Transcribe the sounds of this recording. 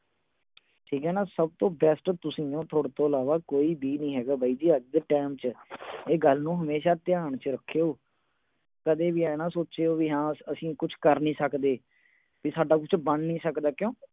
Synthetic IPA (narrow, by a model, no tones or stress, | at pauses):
ʈʰiːkɛːnãːsəb̚t̪õːbɛːsʈt̪ʊsĩːõːt̪ʰoːɽt̪õːəlaːʋaːkoːiːbiːnĩːɦɛːɡaːbaːiːd̪iːəɡ̚d̪əʈɛːmt͡ʃeːɡəlnũːɦəmeːʃaːt̪ɪjaːɳt͡ʃɾəkʰːeːoː | kəd̪eːbiːɛːnãːsoːt͡ʃeːoːʋiːɦãːəsĩːkʊt͡ʃʰkəɾnĩːsəkd̪eː | ʋiːsaːɖaːkʊt͡ʃʰbəɳnĩːsəkd̪aːkjõː